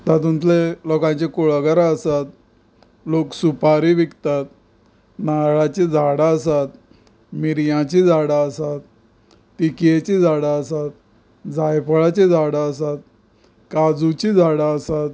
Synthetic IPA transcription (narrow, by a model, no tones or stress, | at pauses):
t̪at̪ũnt̪lelɔkãɲt͡ɕekuɭɡəɾaəsat̪̚ | loksupaɾiʋikt̪at̪̚ | naɭat͡ɕid͡zʱaɽaəsat̪ | miɾjãt͡ɕid͡zaɽaəsat̪̚ː | ikjet͡ɕid͡zʱaɽaəsat̪̚ | d͡zajpɭat͡ɕid͡zʱaɽaəsat̪̚ | kad͡zut͡ɕid͡zʱaɽaəsat̪